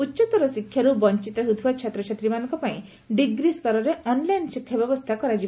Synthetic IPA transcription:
utːʃɔt̪ɔɾɔsikʰjaɾubɔnt͡ʃit̪ɔɦut̪ʰubat͡ʃʰat̪ɾɔt͡ʃʰat̪ɾimanɔ̃ŋkɔpaĩ | ɖiɡɾist̪ɔɾɔɾeʔɔnlajnsikʰːjabjɔbɔst̪ʰakɔɾad͡ʒi

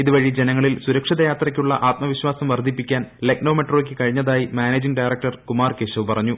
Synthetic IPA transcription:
iðuʋɐɻid͡ʑe̞nɐŋːɐɭilsuɾɐkʂiðɐjaːt̪rɐkʲːuɭːɐ̰ʔaːt̪mɐʋiɕwaːsɐmʋɐrd̪ʱipːikʲːaːnlek̚no̞ːme̞ʈro̞ːk̬ʲːɨkɐɻiɲːɐðaːjimaːneːd͡ʑiŋɖɐjrɐk̚ʈɐrkumaːrkeːɕɐʋpɐrɐɲːu

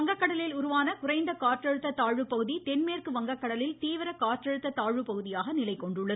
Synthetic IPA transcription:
ɐŋɡɐkːɐɽɐlɪlʊɾʊʋaːnɐkʊrɐɪnd̪ɐkaːʈrɐɻɯt̪ːɐt̪aːɻɯpɐɣɯðit̪ɛnmeːrkɯʋɐŋɡɐkːɐɽɐlɪlt̪iːʋɪɾɐkaːʈrɐɻɯt̪ːɐt̪aːɻɯpɐɣɯðɪjaːɣɐnɪlɐɪkːɔɳɖɯɭːɐð

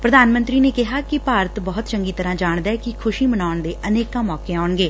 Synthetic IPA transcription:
pɾəd̪aːnmə̃nt̪ɾiːneːkɪɦaːkɪpaːɾət̪bɔːt̪t͡ʃəŋɡiːt̪əɾãːd͡ʒaːɳd̪aːɛːkɪkʰʊʃiːmənaːʊɳd̪eːʔʔəneːkãːmɔːkeːaːɳɡeː

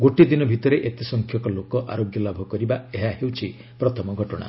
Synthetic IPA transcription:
ɡoʈid̪inɔbʱit̪ɔɾeʔet̪isɔŋkʰjɔkɔlokɔʔa̰ɾoɡjɔlabʱɔkɔɾibaeɦaɦewt͡ʃʰi | pɾɔt̪ʰɔmɔɡʱɔʈɔɽ̃a̰

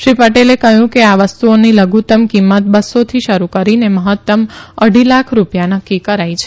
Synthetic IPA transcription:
ʃɾipəʈelekəɦjũkeaʋəst̪uoniləɡʱut̪əmkimːət̪̚bəsot̪ʰiʃəɾukəɾineməɦət̪ːəməɽ̤ʱilakʰɾupjanəkːikəɾajt͡ʃʰe

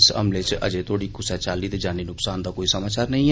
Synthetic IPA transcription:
sɐ̰mlet͡ʃʔɐ̰d͡ʒet̪ʰoːɽikʊsɛt͡ʃaːlit̪d͡ʒaːninʊksaːnd̪akoːisɐmaːt͡ʃaːɾnɐɦĩɦ

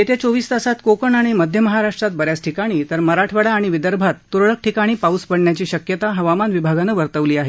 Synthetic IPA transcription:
et̪jet͡soʋiːst̪asat̪kokəɳaɽ̃iməd̪ʱjəməɦaɾaʂʈɾat̪̚bəɾjasʈʰikaɽ̃iːt̪əɾməɾaʈʰʋəɽaːɽ̃iʋid̪əɾbʱat̪ːuɾɭək̚ʈʰikaɽ̃iːpauspəɽɳjat͡ɕiːɕəkjət̪aɦəʋamanʋibʱaɡanəʋəɾt̪əʋliːaɦe

